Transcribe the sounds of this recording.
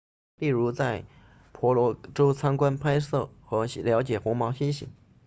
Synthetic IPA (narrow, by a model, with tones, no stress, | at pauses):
pi˥˩ɻu˧˥t͡sa˥˩ɪ | pʰɔ˧˥lwɔ˧˥ʈ͡ʂo˥ʊt͡sʰa˥nkwa˥npʰa˥ɪsɤ˥˩xɤ˧˥ɕljɑ˧˥t͡ɕjɛ˨˩xʊ˧˥ŋmɑ˧˥ʊɕi˥nɕḭ˨˩˥ŋ